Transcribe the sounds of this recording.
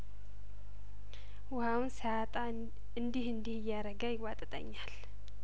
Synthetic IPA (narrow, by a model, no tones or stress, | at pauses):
wʊhawunsəat̪ʼa | ɨnd̪ihɨnd̪ihɨjːaɾəɡajɪwat̪ʼɨt̪ʼə̰ɲːal